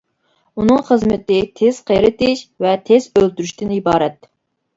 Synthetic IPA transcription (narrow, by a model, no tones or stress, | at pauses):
unɨŋχəzmɪt̪ɪt̪ʰez̥qʰəjɾɨt̪ɪʃvɛt̪ʰez̥ølt̪yɾyʃt̪ɪnibɑːɾɛt̪